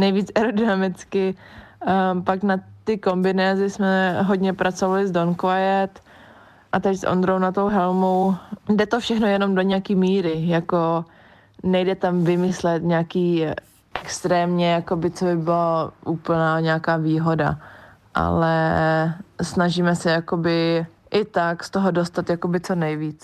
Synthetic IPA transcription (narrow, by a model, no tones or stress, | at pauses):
nɛjviːt͡sʔɛɾodɪnamɪt͡skɪ | paknat̪ːɪko̞mbɪnɛːzɪsmɛɦodɲɛpɾat͡sovalɪzdonkvajɛt̪ | ʔat̪ɛcsʔo̰nd̪ɾownat̪owɦɛlmowdɛt̪ofʃɛxno̞jɛnomdoɲɛakiːmiːɾɪjako | nɛjdɛt̪amvɪmɪslɛt̪ɲɛakiː | ʔɛkst̪ɾɛːmɲɛjako̞bɪt͡sobɪbɪloʔuːpl̩naːɲɛakaːviːɦo̞da̰ʔa̰lɛ | snaʒiːmɛsɛjakobɪʔɪt̪akst̪oɦodo̞st̪at̪jako̞bɪt͡so̞nɛjviːt͡s